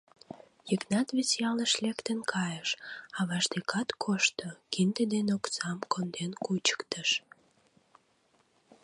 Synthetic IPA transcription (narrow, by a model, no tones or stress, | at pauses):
jəknɑt̪βesjɑləʃlekt̪ənkʰɑjəʃɑβɑʃd̪ekɑt̪kʰoʃt̪okind̪əd̪enoksɑmkond̪enkut͡ɕə̥kt̪əʃ